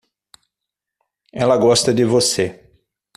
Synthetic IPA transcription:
ɛlɐɡɔst̪ɐd͡ʒɪvose

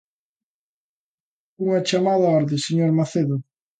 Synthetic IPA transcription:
uŋɐt͡ʃamaðɐɔɾðɪseɲoɾmaθeðʊ

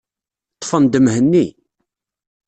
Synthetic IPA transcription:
t̪ˤːfənd̪əmhənːi

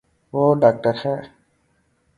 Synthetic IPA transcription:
ʋoːɖaːk̚ʈəɾhɛː

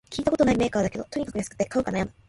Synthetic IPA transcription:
kʲiːt̪ako̞t̪o̞naime̞ːkaːd̪ake̞d̪o̞t̪o̞ɲ̟ikḁkɯ̟jasɨ̥kɯ̟t̪ːekaɯ̟kanajama

